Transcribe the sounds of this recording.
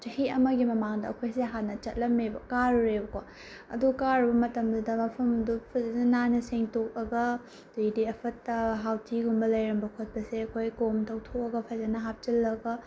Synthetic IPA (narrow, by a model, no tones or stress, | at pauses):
t͡ʃɐhiɐmɐɡimɐmaŋdɐɐ̰kʰojseɦanːɐt͡ʃɐt̚lɐmebɐkaɾuɾebɐkwa | ɐ̰dukaɾɐbɐmɐtɐmdɐdɐmɐpʰɐmɐdupʰɐzɐnɐnanɐseŋtok̚ɐɡɐ | ddiɐpʰɐtɐɦawtʰiɡumbɐlɐjɾɐmbɐkʰot̚pɐseɐkʰojkomtʰɐwtʰok̚ɐɡɐpʰɐzɐnɐɦap̚t͡ʃɐlːɐɡɐ